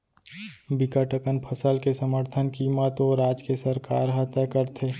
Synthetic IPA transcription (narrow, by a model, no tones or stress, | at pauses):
bɪkəʈəkənpʰəsəlkesəməɾt̪ʰənkiːmət̪oːɾaːd͡ʒkesəɾkaːɾɦət̪əkəɾt̪ʰe